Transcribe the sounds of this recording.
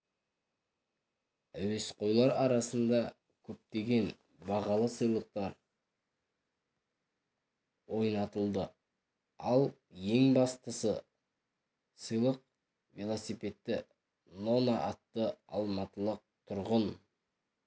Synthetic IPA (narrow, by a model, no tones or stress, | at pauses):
æwe̞sqʰo̞jlˠɑɾɑɾɑsənd̪ɑ | kʲʰɵp̚t̪e̞ɡʲe̞n | bɑʁɑlˠəsəjlˠəq̚t̪ɑɾ | wo̞jnɑt̪əlˠd̪ə | ɑlˠ | je̞ŋbɑst̪əsə | səjlˠəq̚ | velˠosipe̞t̪ːɪ | no̞naʔɑt̪ːəɑ̰lˠmɑt̪əlˠəq̚t̪ʰʊɾʁən